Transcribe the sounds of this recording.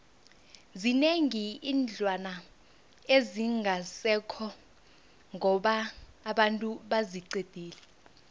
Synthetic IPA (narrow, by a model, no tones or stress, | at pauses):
zineŋiiːnd͡ɮʱwana | eziŋʱasɛkʰɔ | ŋʱɔɓaːɓantʼuɓaziǀed̥ʱiːlɛ